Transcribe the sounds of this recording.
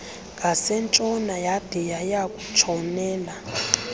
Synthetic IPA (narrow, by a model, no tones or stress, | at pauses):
ɡʱasɛnt͡ʃʼɔnajad̥ʱɛjajakʼu̥t͡ʃʰɔnɛːla